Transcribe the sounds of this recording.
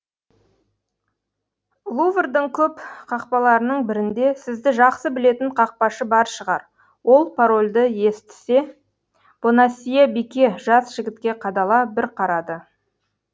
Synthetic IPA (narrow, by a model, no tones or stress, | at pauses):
lˠuvrd̪əɴkʲʰɵpqʰɑq̚pɑlˠɑɾənəɴbɪɾɪnd̪e̞sɪzd̪ɪʒɑqsəbɪle̞t̪ɪɴqʰɑq̚pɑʃəbɑɾʃəʁɑ̰ɾ | wo̞lˠpʰaɾo̞lʲd̪əje̞st̪ɪ̥se̞ | b̥onasʲijabikʲe̞ʒɑsʒ̥ɪɡʲɪt̪kʲe̞qʰɑd̪ɑlˠɑbɪɾqʰɑɾɑd̪ə